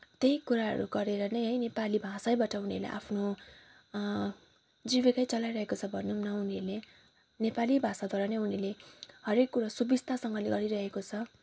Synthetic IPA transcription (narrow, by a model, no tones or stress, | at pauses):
t̪ejkːuɾaɦʌ̰ɾuɡʌɾeɾʌnʌjɦʌjnepalibʱasajbaʈʰʌuniʌ̰ɾlḛʔa̰pʰno | d͡zibekajt͡sʌlajɾʌɦekot͡sʰʌbʱʌnunʌuniʌrle | nepalibʱasad̪ʱaɾanʌjunileɦʌɾekːuɾasubist̪ʰasʌŋɡʌleɡʌɾiɾʌɦekot͡sʰʌ